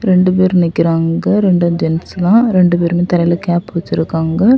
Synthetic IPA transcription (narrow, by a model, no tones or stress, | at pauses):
ɾɛɳɖɯp̬eːɾnɪkʲːɪɾaːŋɡɐɾɛɳɖɐd͡ʒɛnst̪ãːɾɛɳɖɯpeːɾmeːt̪ɐlɐjɪlɐkaːpːoːt͡ʃːɪɾɯkːaːŋɡɐ